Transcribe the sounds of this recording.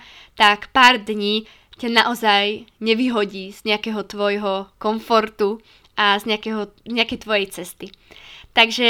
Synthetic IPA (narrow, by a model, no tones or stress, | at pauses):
t̪akpaːɾd̪ɲiː | canaʔɔzajɲɛʋiɦɔɟiːz̥ɲɛakɛɦɔt̪ʋɔjɦɔkɔɱfɔɾt̪u | azɲɛakɛɦɔzɲɛakɛjt̪ʋɔjɛjt͡sɛst̪it̪aɡʒɛ